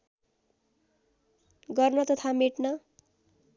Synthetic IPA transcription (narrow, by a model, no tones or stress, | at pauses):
ɡʌrnʌt̪ʌt̪ʰameʈnʌ